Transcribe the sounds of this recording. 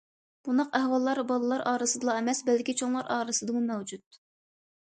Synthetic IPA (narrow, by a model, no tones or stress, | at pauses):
b̥und̪ɑqæhwɑlˠːɑɾbɑlˠɨlˠɑɾʔɑːɾɨsɨd̪ɨlˠɑemɛsbɛlkʲit͡ʃʰoŋlˠɑɾʔɑːɾɨsɨd̪ɨmumɛwd͡ʒut̪̚